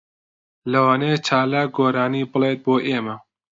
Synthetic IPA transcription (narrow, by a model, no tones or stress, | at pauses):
lɐwaːneːt͡ʃʰaːlaːk̚ɡoːɾaːniːbɨlet̪̚boːʔeːmɐ